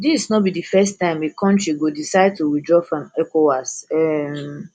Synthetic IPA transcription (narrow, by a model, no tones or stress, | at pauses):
disnɔt̚bidifɛstãɪ̃mekʰɔ̃ntɹiɡodisaɪd̚tuwidɹɔfãmɛkowasɛm